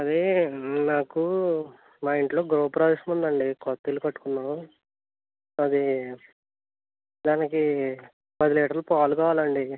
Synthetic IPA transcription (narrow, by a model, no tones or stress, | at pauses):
ɐd̪enaːku | maːjiɳʈlo̞ːɡɾoːpɾaːʋismund̪ɐɳɖikɔt̪ːilukɐʈːu̥kunːaː | ɐd̪i | d̪aːniki | pɐd̪iliːʈɐɾlupaːlukaːʋaːlɐɳɖi